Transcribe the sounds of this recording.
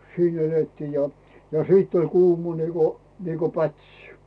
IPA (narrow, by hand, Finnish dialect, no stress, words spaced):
siːn eletːiː jɑ jɑ siːtː olʲ kuːmɑ niːko niːko pætsi̥